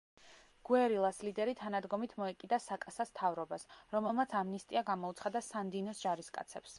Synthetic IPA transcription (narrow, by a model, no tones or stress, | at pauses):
ɡ̥wɛɾilˠaslid̪ɛɾit̪ʰanad̪ɡɔmit̪ʰmɔɛkʼid̪asakʼasast̪ʰavɾɔbasɾɔmɛlˠmat̪sʰamnist̪ʼiaɡamɔut̪sʰχad̪asand̪inɔsd͡ʒaɾiskʼa̰t̪sʰɛps